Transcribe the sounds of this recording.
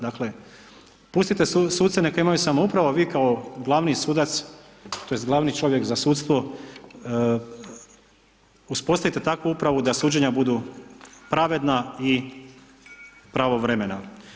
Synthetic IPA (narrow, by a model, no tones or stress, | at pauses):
d̪akle̞ | pust̪it̪e̞susuːd̪senekaimajusamoupɾaʋoʋiːkaoɡlˠaʋnisuːd̪at̪s | t̪o̞jest̪ɡlˠaʋnit͡ʃo̞ʋjekzasuːt̪st̪ʋo | uspo̞st̪aʋit̪e̞t̪akʋuupɾaʋud̪asuːd͡ʑe̞ɲabud̪u | pɾaʋe̞d̪nai | pɾaʋo̞ʋɾeme̞na